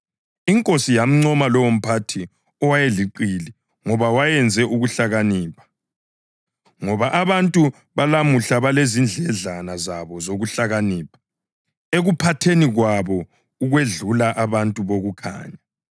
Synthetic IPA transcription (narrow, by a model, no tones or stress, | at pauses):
iŋkʼosijam̩ŋ͡ǀɔmalɔwom̩pʰatʰi | ɔwajeliǃili | ŋɔβawajɛnd͡zʱɛʔuɣuɬaɣaniːpʰḁ | ŋɔβaʔaβantʼu | βalamuɬaβalezind͡ɮʱɛɮanazaβɔzoɣuɬaɣaniːpʰḁ | eɣupʰatʰeniɣwaβɔ | uɣweɮulaʔaβantʼuβoɣukʰa̰ːɲa